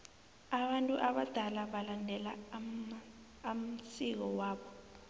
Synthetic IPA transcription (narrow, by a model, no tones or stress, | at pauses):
aɓantʼuʔaɓad̥ʱalaɓalandʱɛla | m̩sik̬ɔwaːɓɔ